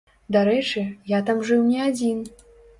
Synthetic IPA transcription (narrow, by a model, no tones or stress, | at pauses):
d̪aɾɛt͡ʂɨjat̪amʐɨwnʲɛad͡zʲin